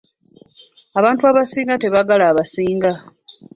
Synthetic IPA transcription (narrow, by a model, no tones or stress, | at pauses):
aβaːntuaβasiːŋɡate̞βaɡalaːβasiːŋɡa